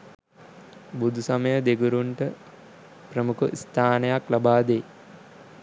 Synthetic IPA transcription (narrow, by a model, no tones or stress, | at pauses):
bud̪ʱusaməjəd̪eɡuɾuɳʈə | prəmukuʔist̪ʰaːnəjaklabaːd̪eː